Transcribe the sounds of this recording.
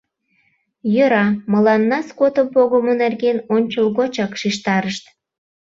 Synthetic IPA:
jøɾɑməlɑnːɑskot̪opoɣomonerɣenonʲt͡ɕolɣot͡ɕɑkʃiʃt̪ɑɾəʃt̪

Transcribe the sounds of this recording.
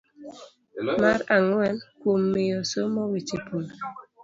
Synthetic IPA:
maɾaŋwɛnkumːejɔsomɔwit͡ʃipul

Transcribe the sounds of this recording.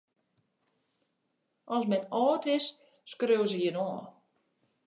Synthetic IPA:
ɔsmɛnɔːtɪs | skrøws̬əjɪnɔː

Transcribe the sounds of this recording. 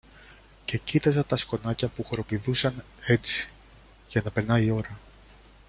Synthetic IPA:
ce̞cit̪ɐzɐt̪ɐsko̞nɐcɐpuxoɾo̞piðusɐn | e̞t͡si̥ | ʝɐnɐpe̞ɾnɐio̞ɾɐ

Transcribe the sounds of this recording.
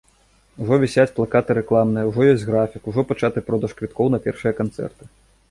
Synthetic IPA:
uʐɔvʲɛsʲat͡sʲplˠakat̪ɨɾɛklˠamnɨjɐwʐɔjɔsʲɣɾafʲikuʐɔpat͡ʂat̪ɨpɾɔd̪ɐʂkvʲit̪kɔwnɐpʲɛrʂɨjɐkant̪sɛ̰rt̪ɨ̥

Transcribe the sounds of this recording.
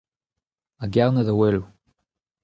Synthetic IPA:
aɡɛʁnəðəwɛlu

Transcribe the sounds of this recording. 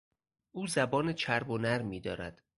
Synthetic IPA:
ʔuːzæbɒːnet͡ʃʰæɾbonæɾmiːd̪ɒːɾæ̰d̪̥

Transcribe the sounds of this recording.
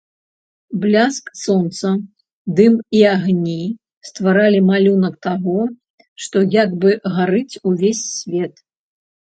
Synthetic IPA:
blʲasksɔnt̪sɐ | d̪ɨmiaɣnʲi | st̪vaɾalʲimalʲunɐk̚t̪aɣɔ | ʂt̪ɔjaɡbɨɣaɾɨt͡sʲuvʲesʲːvʲɛt̪

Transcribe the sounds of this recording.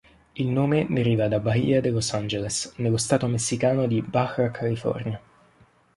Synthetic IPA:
ilnoːmed̪eɾiːvad̪abaḭad̪elosand͡ʒelesnelːost̪aːt̪omesːikaːnod̪ibaxakʰːalifɔ̰rnja

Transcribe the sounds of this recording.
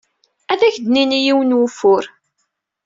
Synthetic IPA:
æðæçd̪ninijiwənwʊfːʊɾ

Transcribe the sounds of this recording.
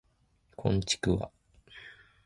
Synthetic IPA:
kʰõ̞̰ɲt͡ɕi̥kɯ̟βa̰

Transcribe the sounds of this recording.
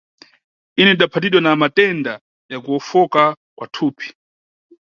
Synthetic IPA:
inɛiɗapʰat̬iɗwanamatɛnda | jakuɔfɔka | kwatʰuːpʰi̥

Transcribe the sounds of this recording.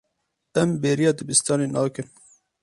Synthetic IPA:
ɛmbeːɾijɑːd̪ɨbist̪ɑːneːnɑːkɨn

